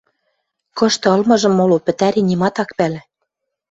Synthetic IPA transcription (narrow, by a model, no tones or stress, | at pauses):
kɤ̆ʃt̪ɤ̆ɤ̆lmɤ̆ʒɤ̆mːolopɘ̆t̪æɾinʲimɑt̪ɑkpælæ̆